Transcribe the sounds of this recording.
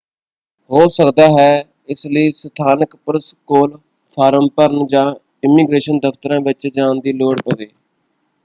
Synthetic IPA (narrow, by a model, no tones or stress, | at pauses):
hoːsəkd̪aːɦɛː | ɪsləiːsət̪ʰaːnəkpɾəskoːl | pʰaːɾəmpəɾnd͡ʒãː | ɪmiːɡɾeːʃənd̪əft̪əɾãːbɪt͡ʃd͡ʒãːnd̪iːloːɽpəd̪eː